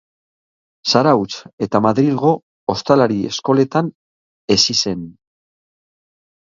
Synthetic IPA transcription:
saɾawt͡se̞t̪amaðɾilɣo̞ | ost̪alaɾie̞̰sko̞le̞t̪an | e̞sise̞n

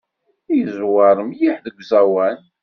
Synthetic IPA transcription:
jəzwɑɾˤmjiħðəɡʷzæwæn

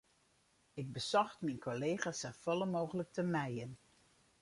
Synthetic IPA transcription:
ɪɡ̚bəsɔxtminkʰoleːχaːsəfɔlˠəmoːχələk̚təmɛjən

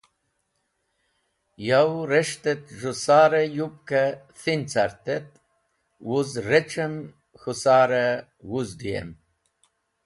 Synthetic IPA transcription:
jawɾeʂt̪et̪ʐusaːɾejup̚ka | θint͡saɾt̪et̪̚ | wuzɾet͡ʃem | xusaːɾe | wuzd̪ijḛm

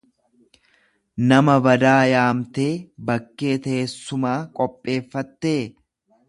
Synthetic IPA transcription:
nɐmɐbɐd̪aːjaːmt̪eːbɐkːe̞ːt̪ɐesːʊmaːkʼɔpʼːe̞ːfːɐt̪ːe̞ː

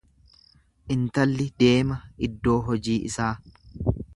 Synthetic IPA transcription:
ʔɪnt̪ɐlːɪd̪e̞ːmɐɪd̪ːo̞ːɦɔd͡ʒiːʔɪ̰saː

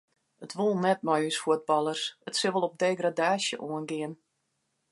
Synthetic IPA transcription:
ətʋulˠnɛt̚mɔjysfuəd̚bɑlˠərsətsɪʋəlˠɔp̚deːɡradaːsjə̰ʔuənɡɪən

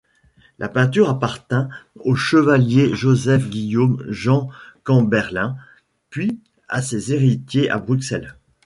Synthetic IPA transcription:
lʔapɛ̃t̪̬yʁapaʁt̪ɛ̃oʃəvaljeʒozɛfɡʲijomʒɑ̃kɑ̃bɛʁlɛ̃ | pɥi | a̰sezeʁit̪jeʔa̰bʁyksɛl

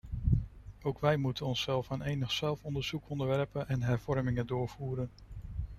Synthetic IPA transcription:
owkʋɛjmutənɔnsɛlˠfanejnəχsɛlˠfɔndəɹz̥ukɔndəɹʋɛɹpənʔɛnɦɛɹv̥ɔɹmɪŋədʊːɹv̥uːɾən

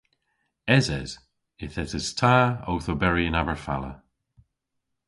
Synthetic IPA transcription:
ɛzɛ̰z̥ | ɪθɛzɪz̥tʰaːowθobɛɹiənabəɹfa̰lə̰

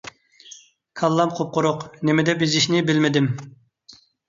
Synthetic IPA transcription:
kʰɑlˠːɑmqʰop̚qʊɾʊqnemɪd̪ɛpizɪʃnɪbɪlmɪd̪ɪm

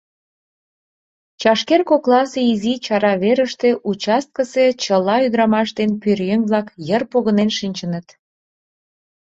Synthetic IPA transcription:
t͡ɕɑʃkerkoklɑseizit͡ɕɑɾɑβeɾəʃt̪eʔut͡ɕɑst̪̚kəset͡ɕəlɑyd̪ɾɑmɑʃd̪enpyrjeŋβlɑkjərpoɣənenʃinʲt͡ɕənət̪

